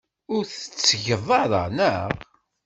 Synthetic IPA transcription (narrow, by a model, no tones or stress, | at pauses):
ʊɾθə̥t͡sːʝəðˤɑɾˤɑ̰nəʁ